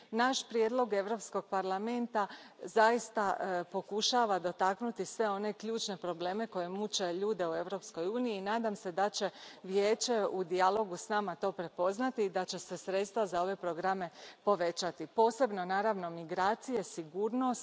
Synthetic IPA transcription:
naʃpɾje̞d̪lo̞ɡe̞ʋɾo̞psko̞ɡ̥̚paɾlame̞nt̪azajist̪apo̞kuʃaːʋad̪o̞t̪aknut̪isʋe̞o̞ne̞kʎuːt͡ʃne̞pɾo̞ble̞ːme̞ko̞je̞mut͡ʃe̞ʎuːd̪e̞ue̞ʋɾo̞psko̞juːniiːnaːd̪amse̞d̪at͡ɕe̞ʋjeːt͡ʃe̞ud̪ialo̞ɡusnaːmat̪o̞ːpɾe̞po̞znat̪iːd̪at͡ɕe̞se̞sɾe̞t̪st̪ʋazao̞ʋe̞pɾo̞ɡɾame̞po̞ʋe̞t͡ʃat̪ipo̞ːse̞bno̞naːɾaʋno̞miɡɾaːt̪sije̞siɡuːɾno̞s

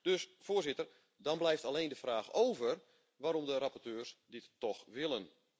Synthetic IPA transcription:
d̥øsfoːrzɪtər | dɔnblɛjftaleːndəfraːxowvər | ʋaːɾɔmdəɾapɔrtøːrsdɪtːɔxʋɪlˠən

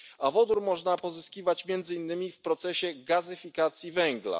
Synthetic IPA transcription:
avɔd̪uɾmɔʐnapɔzɘskʲivat͡ɕmʲjɛnd̪zɘinːɘmʲifpɾɔt̪sɛɕɛɡazɘfʲikat̪sʲjivɛŋɡla̰

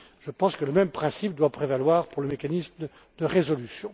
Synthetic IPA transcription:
ʒ̥əpɑ̃skələmɛmpχɛ̃sip̚d̪wapχevalwaːʁpuʁləmekanism | d̪əʁezɔlysjɔ̃

